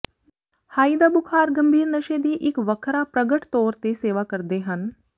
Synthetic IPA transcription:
haːid̪aːbʊkʰaːɾɡə̃mbʱiːɾnəʃed̪iːʔɪkʋəkʰɾaːpɾəɡəʈt̪ɔːɾt̪eseːʋaːkəɾd̪eːɦən

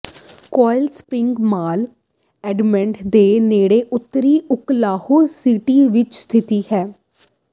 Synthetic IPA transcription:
kɔːɪlspɾɪ̃ŋɡmaːl | ɛːɖmɛ̃ɳʈd̪eːneːɽeːʔʊt̪ːɾiːʊklaːhuːɾsiːʈiːʋɪt͡ʃst̪ʰɪt̪iːhɛː

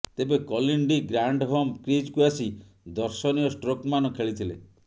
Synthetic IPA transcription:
t̪ebekɔliɳɖiɡɾaɳɖɦɔmkɾid͡ʒkuasi | d̪ɔɾsɔnijɔsʈɾokmanɔkʰeɭit̪ʰilḛ

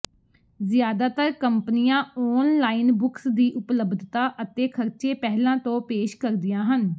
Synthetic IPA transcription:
zɪjaːd̪aːt̪əɾkəmpnɪjãːɔːnlaːiːnbʊksd̪iːʔʊpləbd̪ʱt̪aːʔət̪eːkʰəɾt͡ʃeːpɛɦlãːt̪õːpeːʃkəɾd̪ɪjãːɦən

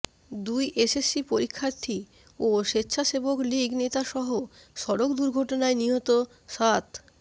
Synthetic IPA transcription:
d̪ujʔesesːipoɾikʰːaɾt̪ʰi | oʃetːɕʰaʃebokliɡnet̪aʃɔɦoʃɔɾokd̪uɾɡʱɔʈonaeniɦɔt̪o | ʃat̪

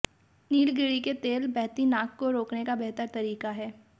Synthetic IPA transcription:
niːlɡɪɽiket̪eːlbɛɦt̪inaːkːoɾoːknekabɛɦt̪əɾt̪ɐɾiːkaɦɛː

